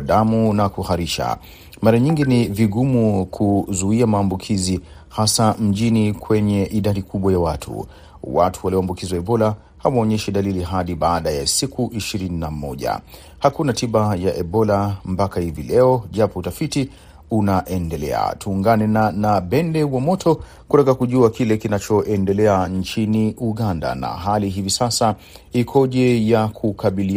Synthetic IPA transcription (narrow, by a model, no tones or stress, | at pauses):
ɗamunakuhaɾiʃa̰ | maɾaɲiŋɡiniviɡumukʰuzuiamaːmbukʰizi | hasam̩ʄinikwɛɲɛʔiɗaɗikʰuɓwajawatʰṵ | watʰuwaliɔambukiziwaɛɓɔla | hawaːɲɛʃiɗaliliɦaɗiɓaːɗajasikʰuʔiʃiɾininamɔʄa̰ | hakunatiɓajaʔɛɓɔlampakahivilɛɔʄapɔutafiti | unaʔɛndɛlɛ̰a̰tʰuːŋɡanɛnanaɓɛndɛwamɔtʰɔ | kutakakuʄuakilɛkinat͡ʃɔʔɛndɛlɛant͡ʃiniʔuɠanda̰na̰ɦaliɦivisasa | ikʰɔʄɛjakʰukaɓili